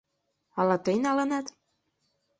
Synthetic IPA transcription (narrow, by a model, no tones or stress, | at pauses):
ɑlɑt̪ɤjnɑlɤ̆nɑt̪